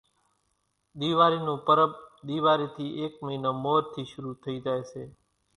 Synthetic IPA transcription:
ɗ̪iːʋaːɾiːnũːpəɾəpɗ̪iːʋaːɾiːt̪ʰiːʔeːkməinəːmoːɾt̪ʰiːʃəɾuːt̪ʰəiːd͡ʒaːeːseː

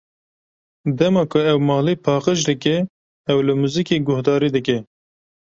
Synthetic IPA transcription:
d̪ɛmɑːkʰʊɛwmɑːlipʰɑːqəʒd̪ɨkɛ | ɛwlɨmuzikeːɡʊhd̪ɑːɾiːd̪ɨkɛ

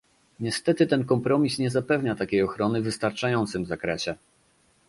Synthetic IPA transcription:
ɲɛst̪ɛt̪ɘt̪ɛnkɔmpɾɔmʲisɲɛzapɛvɲat̪akʲejɔxɾɔnɘvɘst̪aɾt͡ʂajɔnt̪sɘmvzakɾɛɕɛ

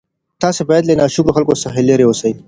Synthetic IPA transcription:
t̪ɑsebaːjɐd̪lenaʃʊkɾoxɐlkosɐɦeleɾeosɐi

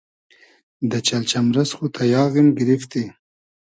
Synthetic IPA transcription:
d̪ət͡ʃalt͡ʃamɾasxut̪ʰajɑːɣimɡɪɾift̪i

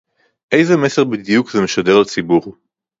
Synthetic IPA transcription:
ʔe̞jzemeseʁbid̪ijukzemeʃad̪eʁlt͡sibuʁ

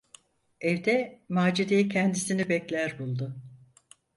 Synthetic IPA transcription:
ɛvd̪ɛmaːd͡ʒid̪ejicʰɛnd̪isinibɛclʲæɾbulˠd̪ʊ

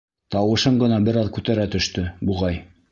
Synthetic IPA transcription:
t̪ɑwɤ̆ʃɤɴɢɤ̆nɑbɘɾɑðkʉt̪æɾæt̪ɵ̆ʃt̪ɵbuʁɑj

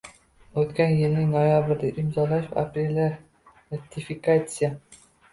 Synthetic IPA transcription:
ɵt̪kʲanjɪlnɪŋnojabɪɾd̪aʔimzɒlˠaʃa̰pɾʲelʲa | ɾat̪ʲːifʲikat̪sɨja

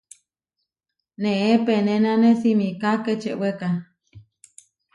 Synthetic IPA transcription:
nẽepenẽnãnesimikaket͡ʃeʔweka

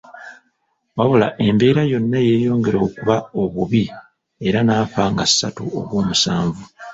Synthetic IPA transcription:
waβula̰ʔe̞mbe̞ːɾajo̞nːaje̞ːjo̞ːŋɡe̞ɾo̞ːkuβao̞βuβi | e̞ɾanaːfaːŋɡasːatuo̰βwo̞ːmusaːɱvu

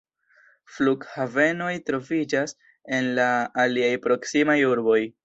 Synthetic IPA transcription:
fluɡhave̞no̞jtɾo̞vid͡ʒas | e̞nlaːliajpɾo̞ksimajuɾbo̞j

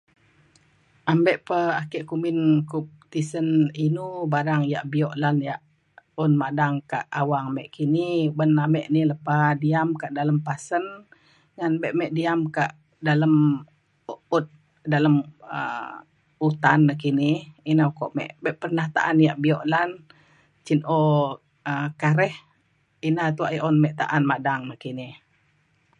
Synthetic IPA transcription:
ʔambɛʔpəakɛʔkumɪnkup̚t̪isəninubaɾaŋja̰ʔbiɔʔlanjaʔ | unmadaŋkaʔawaŋamɛʔkinibənamɛʔniləpadiamkaʔdaləmpasən | ŋanbɛʔmɛʔdiamkaʔ | daləm | ut̪̚ | daləmə̰ | ut̪anːəhkiniinaukɔʔmɛ̰ʔbɛʔpərnaht̪a̰ʔanjaʔbiɔʔlan | t͡ʃinʔo | əkaɾɛh | inat̪uaʔiʔunmɛʔt̪a̰ʔanmadaŋnəkinih

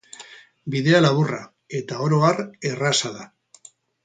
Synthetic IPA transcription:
biðe̞alaβura̰ | e̞t̪ao̞ɾoare̞rasaða

